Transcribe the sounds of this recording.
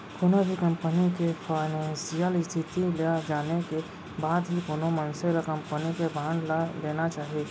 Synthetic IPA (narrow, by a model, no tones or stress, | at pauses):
kʊnobʱikə̃mpənikepʰaːɪnɛ̃ːnsijəlst̪ʰɪt̪iled͡ʒaːneke | baːd̪ɦikonomənseɾəkə̃mpənikebʱãːɳɖlad̪eːnat͡ʃaːɦie